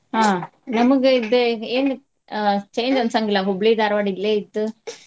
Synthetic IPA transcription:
aː | nɐmɐkːɯɪðɯeːn | t͡ʃeːnd͡ʒɐnsaŋɡɪlaːɦʊblid̪aɾɐʋaːɽilːeɪt̪ːɯ

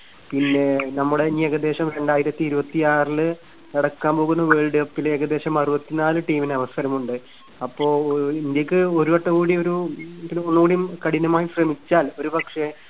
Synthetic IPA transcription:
pinːe̞nɐmːuɽeniːeɣɐd̪e̞ːɕɐmɾe̞ɳɖaːjiɾɐt̪ːiːɾubɐt̪ːiaːrlɨ | ɐɽɐkːaːmpo̞ːɣunːɐʋeːɭɖɨɐpːileɣɐd̪e̞ːɕɐmɐrubɐt̪ːinaːlɨʈiːmineɐʋɐsɐɾɐmuɳɖɨ | ɐpːo̞ːind̪jɐkːɨo̞ɾuʋɐʈːɐɣuːɽio̞ɾupinonːuuːɽijumkɐɽinɐmaːjiɕrɐmit͡ɕːaːlo̞ɾupɐkʂe̞

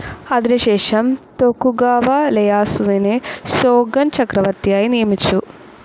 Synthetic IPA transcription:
ɐd̪ɾiʃɛːʂɐmt̪okuɡaːʋɐlɛjaːsuʋineʃoːɡɐnt͡ʃɐkɾɐʋɐɾt̪ijaːjinijɐmit͡ʃːu

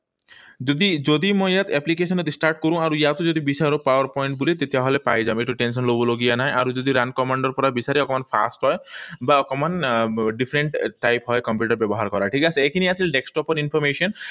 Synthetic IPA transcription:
d͡ʒod̪id͡ʒod̪imɔjat̪ɛplik̬esɔnɔt̪isʈaɾʈ̚koɾũaɾujat̪od͡ʒod̪ibisaɾopawaɾpɔjɳʈ̚bulit̪et̪iaɦɔlepa̰jd͡ʒãeʈuʈenʃɔnloboloɡianajʔaɾud͡ʒod̪iɾankɔmaɳɖɔɾpɔɾabisaɾiɔkɔmanfʰa̰sʈɦɔebaɔkɔmanɖifʰɾeɳʈʈːajpɦɔekɔmp̬juʈaɾbebɔɦaɾkɔɾaʈʰikasʰeekʰiniat͡ʃʰilɖeksʈɔpɔɾinpʰɔɾmeʃɔn

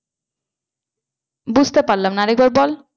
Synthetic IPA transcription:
bud͡ʑʱt̪epaɾlamnaɾɛk̚baɾbɔl

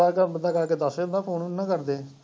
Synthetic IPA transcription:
aːkəbənd̪aːkəɾkeːd̪əseːbənd̪aːpʰoːnnːãːkəɾd̪eː

